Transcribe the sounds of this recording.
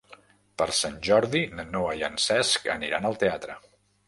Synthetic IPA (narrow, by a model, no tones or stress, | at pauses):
pəɾsanʲʒɔɾðinənoəjənsɛskə̰niɾanəlˠt̪eat̪ɾə